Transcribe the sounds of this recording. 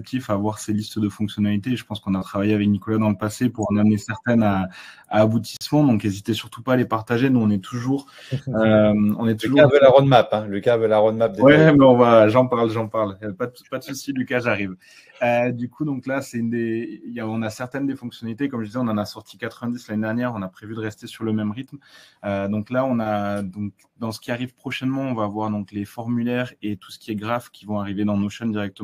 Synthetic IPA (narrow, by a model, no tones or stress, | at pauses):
kt̪ʰifavwaʁselist̪əd̪əfɔ̃ksjɔnalit̪eːʒəpɑ̃skɔ̃nat̪χavajeavɛknikɔlad̪ɑ̃ləpasepuʁɑ̃namnesɛʁt̪ɛnaaːbut̪i̥smɑ̃d̪ɔ̃kezit̪esyʁt̪u̥paːlepaʁt̪aʒenuɔ̃nɛt̪ʰuʒuʁ | øɔ̰̃nɛt̪uʒuavəlaʁod̪mapɛ̃lykʲavəlaʁod̪map̚d̪ewɛmɛɔ̃vaʒɑ̃paʁlʒɑ̃paʁljaɛpad̪pad̪əsusilykaʒaʁiv | ød̪ykʰud̪ɔ̃klasɛynd̪ejaɔ̃nasɛʁt̪ɛnd̪efɔ̃ŋksjɔnalit̪ekɔmʒəd̪izɛɔ̃nɑ̃nasɔʁt̪ʰi̥kat̪χəvɛ̃d̪islanned̪ɛʁnjɛʁɔ̃napχevyd̪əʁɛst̪esyʁləmɛmʁit̪mød̪ɔ̃klaɔ̃nad̪ɔ̃k | d̪ɑ̃sə̥kʲiaʁivpχɔʃɛnmɑ̃ɔ̃vavwaʁd̪ɔ̃klefɔʁmylɛʁet̪u̥sə̥kʲiɛɡʁafkʲivɔ̃aʁived̪ɑ̃noʃɛnd̪iʁɛk̚t̪əmɑ̃